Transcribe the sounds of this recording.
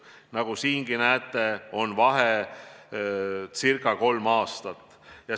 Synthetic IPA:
nɑɡ̥usiːŋɡ̥inæːt̪ːˑe̞o̞nvɑɦe | sirkˑɑko̞lmɑːst̪ɑt̪ːˑ | jɑ

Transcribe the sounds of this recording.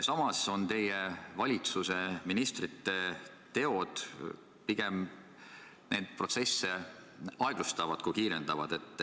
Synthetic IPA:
sɑmɑso̞nt̪e̞jevɑlʲit̪suse̞minist̪rit̪ːe̞ | t̪e̞o̞d̪̥ | piɡ̥e̞m | ne̞ːd̪̥̚pro̞t̪se̞sːe | ɑeɡ̥lust̪ɑvɑd̪̥kujkiːɾe̞nd̪̥ɑvɑd̪̥e̞t̪ːˑ

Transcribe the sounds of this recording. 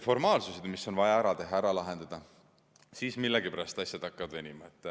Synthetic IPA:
fo̞rmɑːlsused̪misːo̞nvɑjɑæɾɑt̪e̞ɦːɑæɾɑlɑɦe̞nd̪̥ɑd̪̥ɑ | siːsmilːeɡipeɾɑst̪ɑsʲjɑd̪̥ɑkːɑvɑd̪venʲimɑet̪ˑː

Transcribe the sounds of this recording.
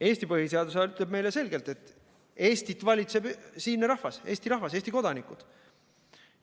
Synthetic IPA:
e̞ːsʲt̪ipɤhise̞ɑd̪useɑyt̪le̞b̚me̞jlese̞lɡe̞lt̪e̞t̪ːˑ | e̞ːst̪it̪ːˑvɑlʲit̪se̞b̥siːnːɾɑhvɑse̞ːst̪iɾɑɦvɑse̞ːst̪iko̞d̪ɑnikˑud̪̥

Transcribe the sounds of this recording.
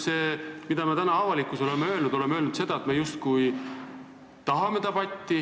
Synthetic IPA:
se̞ːmid̪̥ɑmet̪ænɑɑvɑlikːˑuso̞lemeø̞ːlnud̪̥o̞le̞meølnud̪se̞d̪̥ɑet̪mejust̪kuj | t̪ɑɦɑme̞t̪ɑbɑt̪ʲːi

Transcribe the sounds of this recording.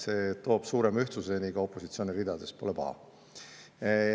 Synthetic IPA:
set̪o̞ːb̥suːɾemyht̪suseniɡɑo̞pːˑo̞sit̪sio̞ːnirid̪ɑd̪̥e̞spo̞le̞pɑ̰hɑ̰

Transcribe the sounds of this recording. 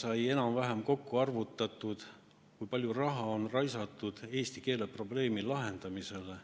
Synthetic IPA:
sɑje̞nɑmvæɦemko̞kːuɑrvut̪ːˑɑt̪ːˑud̪̥ | kujpɑlʲjurɑɦɑo̞nrɑjsɑt̪ːˑud̪̥e̞ːst̪ike̞ːle̞pro̞ble̞ːmilɑɦe̞nd̪̥ɑmise̞le̞

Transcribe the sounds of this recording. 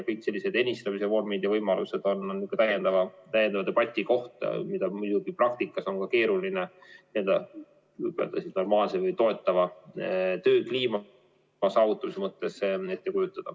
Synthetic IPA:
kɯjkse̞lʲːised̪̥enʲist̪ɑmis̬e̞vo̞rmid̪jɑvɤjmɑluse̞d̪̥o̞nːonːykːˑɑt̪æjend̪̥ɑvɑt̪æjend̪ɑvɑt̪e̞b̥ɑt̪ʲːˑiko̞ht̪ɑ̰mid̪ɑmud̪̥uɡ̥iprɑk̚t̪ikːˑɑso̞ŋkɑke̞ːɾulinenield̪ɑ | pø̰lt̪ɑsit̪no̞rmɑːlsevɤjt̪o̞e̞t̪ːˑɑvɑ | t̪ø̞ːkliːm | ɑsɑːvut̪ːˑɑmisemɤt̪ːˑe̞se̞t̪ːekujut̪ːˑɑd̪̥ɑ

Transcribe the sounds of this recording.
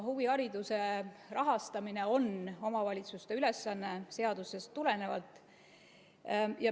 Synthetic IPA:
huviɑɾid̪use̞rɑɦɑst̪ɑmine̞o̞no̞mɑvɑlʲit̪sust̪eyle̞sːɑnːe̞se̞ɑd̪̥use̞st̪ːule̞ne̞vɑ̰lt̪ːˑ | jɑ

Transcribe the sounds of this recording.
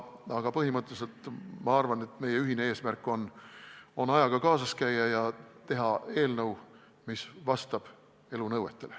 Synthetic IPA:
ɑɡ̥ɑpɤɦimɤt̪ˑːese̞lt̪mɑɑrvɑne̞t̪me̞jeyɦinee̞ːsmærkːˑo̞n | o̞nɑjɑɡ̥ɑkɑːsɑskæjːɑjɑt̪e̞ɦɑe̞ːlnɤw | misvɑst̪ɑb̥ | e̞lunɤwe̞t̪ːˑe̞le

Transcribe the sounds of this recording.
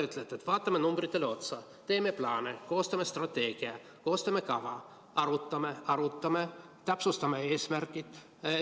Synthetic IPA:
yt̪ːˑlet̪ːˑet̪ːvɑːt̪ːˑɑmenumb̥rit̪ːˑe̞leo̞t̪sɑ | t̪e̞ːmeplɑːneko̞ːst̪ɑmest̪rɑt̪ːe̞ːɡ̥iɑ | ko̞ːst̪ɑmekɑvɑ | ɑɾut̪ːɑmeɑɾut̪ːɑmet̪æpsust̪ɑmee̞ːsmærkˑit̪

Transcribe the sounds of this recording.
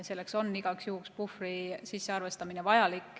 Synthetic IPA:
se̞lːe̞kso̞nːiɡ̥ɑksjuːkspufrisisːe̞ɑrve̞st̪ɑminevɑjɑlikːˑ

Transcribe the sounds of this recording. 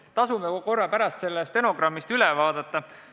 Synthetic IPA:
t̪ɑsumeko̞rːɑpæɾɑst̪se̞lːest̪e̞no̞ɡ̥ɾɑmːist̪ylɛvɑːd̪̥ɑt̪ːˑɑ

